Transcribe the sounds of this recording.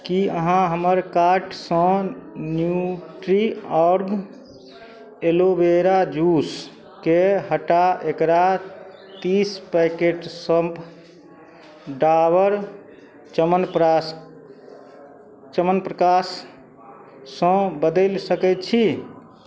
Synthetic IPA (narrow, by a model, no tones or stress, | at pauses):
kiəɦãɦəməɾkaɾʈsə̃njuʈɾiɔɾɡ | elobeɾad͡ʒus | keɦəʈaʔekɾa | t̪ispajkeʈsəmb | ɖaʋəɾ | t͡ʃəmənpɾas | t͡ʃəmənpɾəkas | ə̃bəd̪əlsəkɛt̪t͡ʃʰi